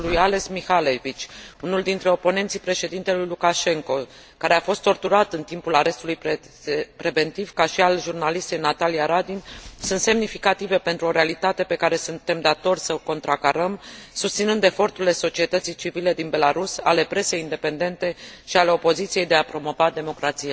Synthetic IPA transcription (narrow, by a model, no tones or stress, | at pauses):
lujale̞smixalevit͡ʃʲunuld̪int̪ɾe̞o̞po̞ne̞nt̪sijpɾe̞ʃe̞d̪int̪e̞lujlukaʃe̞ŋko̞ | kaɾe̞afo̞st̪ːo̞rt̪uɾat̪ɨnt̪impulaɾe̞st̪uluj | pɾe̞ve̞nt̪ivkaʃialʒurnalist̪ejnat̪alijaɾad̪insunt̪se̞mnifikat̪ive̞pe̞nt̪ɾuo̞ɾealit̪at̪e̞pe̞kaɾe̞sunt̪e̞md̪at̪o̞rʲsəko̞nt̪ɾakaɾəmsust̪sinɨnd̪e̞fo̞rt̪uɾile̞so̞t͡ʃie̞t̪ət̪sijt͡ʃivile̞d̪inbe̞laɾusa̰le̞pɾe̞sejind̪e̞pe̞nd̪e̞nt̪e̞ʃiale̞o̞po̞zit̪sije̞jd̪e̞apɾo̞mo̞vad̪e̞mo̞kɾat̪sija